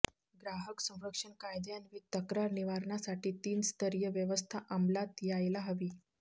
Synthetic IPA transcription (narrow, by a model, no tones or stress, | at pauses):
ɡɾaɦəksə̃w̃ɾəkʂəɳkajd̪janʋiːt̪əkɾaɾniʋaɾɳasaʈiːt̪iːnst̪ʰəɾjəʋjəʋəst̪ʰaʔamlat̪jajlaɦəʋiː